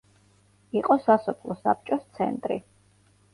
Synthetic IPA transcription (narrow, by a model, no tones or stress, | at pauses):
iqʼɔsasɔpʰlˠɔsa̰p̚t͡ʃʼɔst̪sʰɛ̰nt̪ʼɾḭ